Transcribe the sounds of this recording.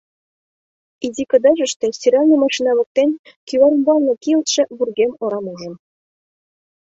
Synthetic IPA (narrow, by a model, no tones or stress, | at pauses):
id̪ʲikɤ̆d̪ɑʒɘ̆ʃt̪ĕsʲtʲiɾʲɑlnʲɤmɑʃinɑβŏk̚t̪enʲ | kyβɑɾɤ̆mbɑlˠnɤ̆kilˠt̪ʃɘ̆βurɡemŏɾɑmuʒɤ̆m